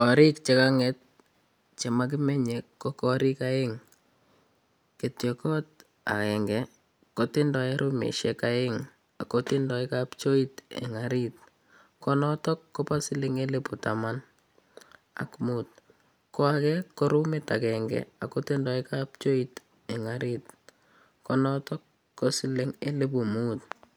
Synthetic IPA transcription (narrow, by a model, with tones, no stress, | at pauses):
ɔ˨ɾɪ˦kt͡ʃe˦kaŋɛt̚ | t͡ʃe˨mak̬ɪ˦mɛ˦ɲekkːɔkɔ˦ɾɪ˦ka˦eŋ | ke˨tjɔkɔ˦t̚ | a̰˨kɛ˨ŋɡɛ | kotɪ˦ndɔ˨eɾʔu˦mḛʃɛkaɪŋ | a̰kotɪndɔ˨ɪkapt͡ʃo˦itɛ̰˨ŋaɾit̚ | kɔnɔtɔ˦kːɔ˦pa˦sɪ˦lɪ˦ŋe˦le˦pu˨taman | a̰˦kmut̚ | kɔ˦akɛkːoɾu˦mɪ˦ta˨kɛŋɡɛ̰a˨ko˦tɪndɔ˨ɪkap̚t͡ʃo˦it | e˨ŋaɾɪt | kɔnɔtɔ˦kː | o˦sɪ˦lɪ˦ŋe˦le˦pu˨muː˦t